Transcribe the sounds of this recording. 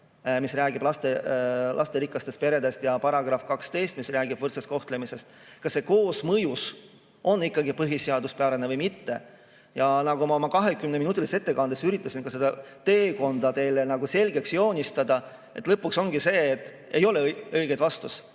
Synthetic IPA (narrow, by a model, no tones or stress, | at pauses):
misræːɡ̥ib̥lɑst̪elʔɑ̰st̪e̞ɾikˑːɑst̪e̞st̪pe̞ɾe̞d̪e̞st̪jɑpɑɾɑɡ̥rɑfkɑkst̪e̞jst̪misræːɡ̥ib̥vɤrt̪sest̪̚ko̞ht̪le̞mise̞st̪ | kɑsːe̞ko̞ːsmɤjus | ʔo̞nːikːɑɡipɤɦiseɑd̪uspeɑɾenevɤjmit̪ːe̞ | jɑnɑɡumɑomɑkɑɦe̞kymneminut̪ːˑilise̞t̪ːe̞kɑnd̪̥esyɾit̪ːˑɑsinkɑsed̪ɑ | t̪e̞ːko̞nd̪̥ɑt̪e̞ːlenɑɡ̥use̞lʲɡe̞ksjo̞ːnʲist̪ɑd̪̥ɑ | e̞t̪ːˑlɤpːˑukso̞ŋɡ̥ise̞ːt̪ˑː | e̞jo̞leɤjɡ̥ed̪vɑst̪us